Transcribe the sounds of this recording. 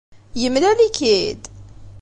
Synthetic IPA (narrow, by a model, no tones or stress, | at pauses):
jəmːlælikid̪